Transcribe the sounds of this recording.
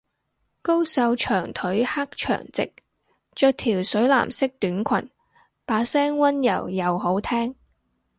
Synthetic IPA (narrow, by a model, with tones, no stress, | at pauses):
ko˥wsɐ˧wt͡ʃʰœː˨˩ŋt̪ʰɵ˨˥ɥha˥k̚t͡ʃʰœ̰ː˨˩ŋt͡sɪ̰˨k̚ | t͡ʃœː˧k̚t̪ʰiː˨˩wsɵ˨˥ɥla̰ː˨˩msɪ˥k̚t̪yː˨˥nkʷʰɐ̰˨˩n | paː˨˧sɛː˥ŋwɐ˥njɐ̰˨˩wjɐ˨wɦo˨˥wt̪ʰɛː˥ŋ